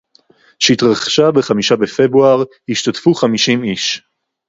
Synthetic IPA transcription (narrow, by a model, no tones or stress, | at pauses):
ʃeitʁaχʃabeχamiʃabefe̞bʁuaʁ | hiʃtatfuχamiʃimiʃ